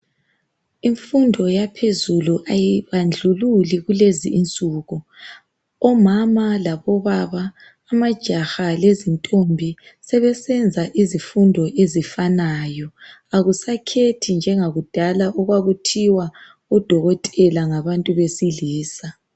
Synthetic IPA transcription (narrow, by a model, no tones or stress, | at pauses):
iɱfundʱɔjapʰezuluʔajiβand͡ɮʱululiɣuleziːnt͡sʼuːɣu | ɔmamalaβɔβaβaː | mad̥ʒ̥ʱaxalezintʼombʱisɛβɛsɛnd͡zʱaʔizifundʱɔʔezifanajɔ | aɣusakʰetʰind͡ʒʱɛŋaɣud̥ʱalaʔɔɣwaɣutʰiwa | ud̥ʱɔɣɔtʼɛlaŋaβantʼuβesiliːsa